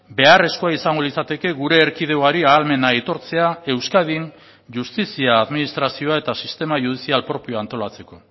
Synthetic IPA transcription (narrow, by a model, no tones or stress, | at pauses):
be̞are̞sko̞aisaŋɡo̞lisat̪e̞ke̞ɣuɾe̞ːɾkið̞e̞oaɾiaːlme̞nait̪o̞ɾt͡se̞ae̞wskað̞in | ʝust̪isiaːðminist̪ɾasio̞ae̞t̪asist̪e̞maʝuð̞isialpɾo̞pio̞ant̪o̞lat͡se̞ko̞